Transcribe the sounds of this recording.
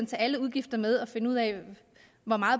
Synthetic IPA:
nt͡sʰɛːæləuð̞ˠɡ̥ifd̥ɐmeð̞ˠɒ̽fe̝nuð̰ˠɛɪ | ʋɒmɑ̈ːð̩ˠ

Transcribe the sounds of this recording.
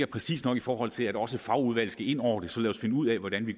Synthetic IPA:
ɐpʰʁɛsḭːsnɒ̽ɡ̥ifɒːhɒ̽l̰t͡sʰe̝læd̥ɒ̽səfɑ̈ʊuð̞ˠʋæl̰̩sɡ̥æe̝n̰ɒʊ̰ɐd̥e̝sɒ̽lɛːsfe̝nəuð̰ˠɛʋɒɾ̥ænʋi

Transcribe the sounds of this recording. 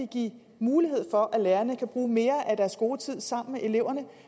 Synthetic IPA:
iɡ̥ḭː | muːliɦe̝ð̞̰ˠfɒ̽ʔæleːɐnəkʰæb̥ʁuːme̝ːɐʔæd̥æɐsɡ̥o̝ːt͡sʰið̞̰ˠsɑ̈m̰n̩meʔe̝le̝ʊ̰ɐnə

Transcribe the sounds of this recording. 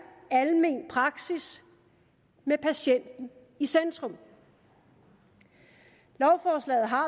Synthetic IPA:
ælme̝̰npʰʁɑ̈ɡ̥sis | mepʰæɕen̰d̥n̩ | isend̥ʁɔ̽m | lɒʊfɒːslɛ̰ːð̩ˠɦɑ̈

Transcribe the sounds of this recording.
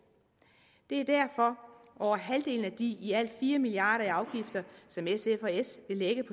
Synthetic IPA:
d̥e̝æɐd̥æɐ̰fɒ̽ʔɒʊɐɦæld̥e̝̰ln̩æd̥iiæl̰d̥fiːɐmiliɑ̰̈ːɾ̥ɐæɑ̈ʊɡ̥ifd̥ɐsɒ̽mesefɒesʋe̝leɡ̥əpʰɒ̽

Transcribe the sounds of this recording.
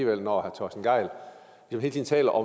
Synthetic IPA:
iːʋel̰nɒhæɐt͡sʰɒːsd̥n̩ɡ̥ɑ̈ɪ̰l | ʋismhe̝lt͡sʰiːn̩t͡sʰɛ̰ːlɐʔɒ̽

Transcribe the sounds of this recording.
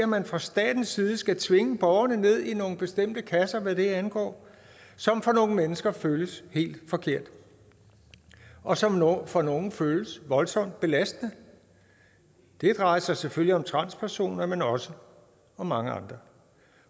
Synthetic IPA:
æmænfʁɑ̈sd̥ɛ̰ːd̥n̩sːiːð̩ˠəsɡ̥æt͡sʰʋe̝ŋəb̥ɒʊɐnəne̝ð̞̰ˠino̝ːn̩b̥e̝sd̥em̰d̥əkʰæsɐʋæɾ̥e̝ænɡ̥ɒ̰ː | sɒ̽mfɒ̽no̝ːŋ̩menəsɡ̥ɐføːləshe̝̰ːld̥fɒ̽kʰe̝ɐ̰d̥ | ʔɒ̽sɒ̽mfɒno̝ːŋn̩føːləsʋɒ̽lsɒ̽m̰d̥̚b̥e̝læsd̥ənə | d̥e̝d̥ʁɑ̈ɪɐsɑ̈ɪseføl̰ːiɒ̽mt͡sʰʁɑ̈n̰spʰæɐso̝̰ːnɐmenɒ̽sə | ɒ̽mɑ̈ŋəɑ̈nd̥ʁɐ

